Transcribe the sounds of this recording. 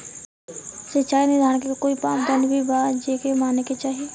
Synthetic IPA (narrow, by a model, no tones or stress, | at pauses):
sətːt͡ʃaːinɪd̪ʱaːɽ̃kekokoːipaːpd̪ənd̪bʱibaːd͡ʒeːkemaːneket͡ʃaːɦieː